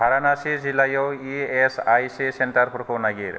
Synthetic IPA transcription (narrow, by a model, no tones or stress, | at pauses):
ɦaɾanasid͡zilːajowiesajsisenʈəɾpʰuɾkʰownaɡiɾ